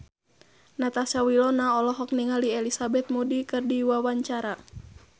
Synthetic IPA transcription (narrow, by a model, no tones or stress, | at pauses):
nat̪asawilɔnaɔlɔɦɔk̚niŋaliɛlisabɛt̪̚mudikɨrdiwawaɲt͡ʃaɾa